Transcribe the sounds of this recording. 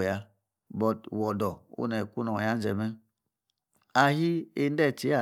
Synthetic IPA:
ja˦ | bɔ˨twɔ˨dɔ˨ṵ˦nɛ˨ku˦nɔ˨ja˦n˦d͡ʒɛ˨mɛ˦ | a˨ɦi˦e˦˨n˦dɛ˦˨t͡ʃi˨˦a˨

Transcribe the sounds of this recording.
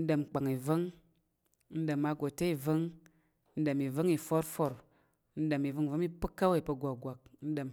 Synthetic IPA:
n̩˦də˨mk͡pa˨ŋi˨və˦ŋ˦ | n̩˦də˨mːa˨˦ɡo˨te˦i˨və˦ŋ˦ | n̩˦də˨mi˨və˦ŋi˨fo˦ɾfo˨ɾ | n̩˦də˨mi˨və˦ŋ˨və˦mi˦pɨ˦kːa˦we˦˨pə˧ɡʷa˨ɡʷa˨k̚n̩˦də˨m

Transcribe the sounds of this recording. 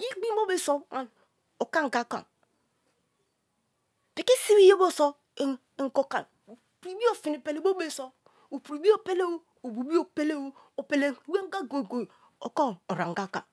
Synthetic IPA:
ɡi˦ɡ͡bi˦mo˦be˦so˦a˨n | o˨ka˦ŋ̩˨ɡa˦ka̰˨ | bi˨ki˦si˦wi˦je˦bo˦so˦˨ | e˨ŋ̩˨ko˦ka̰˨n˨ | pɾi˨wi˦o˦fi˨ni˨pe˨le˨bo˦be˦˨so˦ | o˨pu˨ɾi˨bi˦o˦pe˦le˦wo˦ | o˨bu˨bi˦o˦pe˦le˦wo˦o˨pe˨le˨˦we˦ŋ˦ɡa˦ɡo˨ɡo˨ | o˨ko˦o˨ɾa̰˨ŋ˨ɡa˦ka̰˨

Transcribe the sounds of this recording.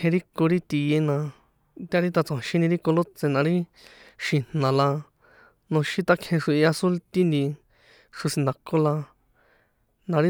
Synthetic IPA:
ẽ˧ɾi˦ko˧ɾi˦t̪i˧je˧nã˧ | t̪ʲa˦ɾi˦t̪a˧t͡sã˨ʃĩ˦nĩ˧ɾi˦ko˧lo˦t͡se˧nã˧ɾi˦ | ʃĩ˨n̥nã˨la˧ | nõ˧ʃĩ˦t̪a˦kʰẽ˧ʂu˧i˧a˧su˦lt̪i˦nd̪ĩ˧ | ʂu˧sĩ˧nd̪a˨ko˦la˧ | nã˧ɾi˦

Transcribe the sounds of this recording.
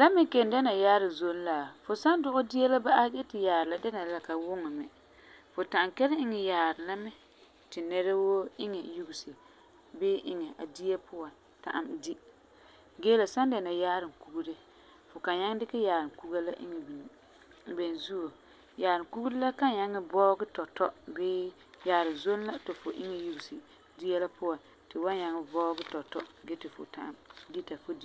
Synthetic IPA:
la˦mɪ˦kɛ˨n˨da˦na˨jaː˦ɾɪ˨zo˦n˦laː˨fʊ˨sa˦n˦dʊ˦ʔʊ˦di˦ja˦la˦ba˦ʔa˦ɡɛ˦tɪ˨jaː˨ɾɪ˨la˦da˦na˨la˨ka˨wʊ˦ŋɪ˨mɛ̰˨ | fʊ˨ta˨ʔŋkɛ˦lɪ˦ɪ˦ŋɛ˨jaː˨ɾɪ˨la˦mɛ˦ | tɪ˨nɛ˦ɾa˦wo˦ɪ˦ŋɛ˨ju˦ɡu˨sɪ˨ | bɪː˦ʔɪ˦ŋɛ˨ʔa˨di˦ja˦pʊ˦a˨ | ta̰˨ʔa̰˨mdi˦ | ɡeː˦la˨sa˦nda˨na˨jaː˦ɾɪ˨ku˦ɡu˦ɾɪ˦ | fʊ˨ka˨ɲa˦ŋ˦dɪ˦kɪ˦jaː˨ɾɪ˨ku˦ɡa˦la˦ʔɪ̰˦ŋɛ˨bi˨ni˨ | bɛ˨n˨zu˦o˨ | jaː˨ɾɪ˨ŋku˦ɡu˦dɪ˦la˦ka˦ɲa˦ŋɪ˦bɔː˦ɡɪ˦tɔ˨tɔ˦bɪː˦ | jaː˨˦ɾɪ˨nzo˦n˦la˦tɪ˨fʊ˨ʔɪ˦ŋɛ˨ju˦ɡu˨sɪ˨ | di˦a˦la˦pʊ˦wa˨ | tɪ˨wa˦ɲa˨ŋɪ˨bɔː˦ɡɪ˦tɔ˨tɔ̰˦ɡɛ˦tɪ˨fʊ̰˨ta̰˦˨ʔa˨mdi˦ta˨fʊ˦di˨

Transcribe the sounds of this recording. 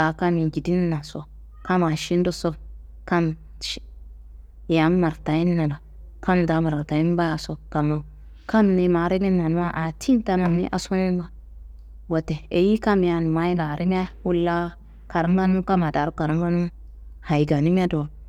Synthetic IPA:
a˨ka˦mi˨ɡi˨di˦n˦na˨so˦ | ka˦ma˨ʃi˦n˦do˦so˦b | ka˦m | ʃ | ja˨˦mma˨ɾta˨ji˦n˦na˨da˨ | ka˦m˨da˨˦ma˨ɾa˨ta˨ji˦n˦ba˦ja˨so˦bka˨mo˨ | ka˦mni˨ma˨˦ɾi˦ni˦na˨nu˦a˦ʔa˨tʰi˦n˦ta˦na˨mnḭ˦ʔa˨so˦ni˦n˦ba˦ | wo˨te˨e˨ji˦ka˦m˨a˨n˨ma˦ji˦na˨ɾi˦m˦a˦wu˦lːa˦ | ka˨ɾi˦m˦ɡa˦nu˦m˦ka˦ma˨da˨ɾu˦ka˨ɾa˦mɡa˦nu˦m | ha˨i˨ɡa˨ni˦m˦a˦do˨

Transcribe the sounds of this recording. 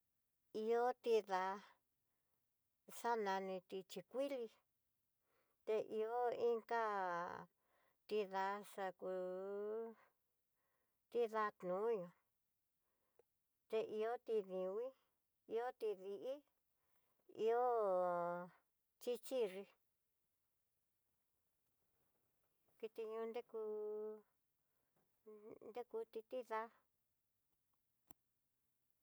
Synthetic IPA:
i˧o˦t̪i˧ða˧ | ʂa˦nã˧nĩ˧t̪i˧t͡ʃi˧kʷi˦li˧ | t̪e˧ʔi˧o˦i˦ŋka˦ | t̪i˧ða˧˦ʂa˧ku˧ | t̪i˦ða˧t̪nũ˨˦ɲõ˧ | t̪e˧ʔi˧o˦t̪i˧ðĩ˧wĩ˦ | i˧o˦t̪i˧ði˧ʔi˦ | ḭ˧o˦ | t͡ʃi˦t͡ʃi˦ʐi˧ | ki˧t̪i˧ɲũ˧nd̪e˦ku˧ | nd̪e˦ku˧t̪i˧t̪i˦ða˦

